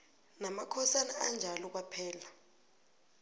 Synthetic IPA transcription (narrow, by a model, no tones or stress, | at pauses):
namakʰɔsanaand͡ʒʱalɔk̬wapʰɛːla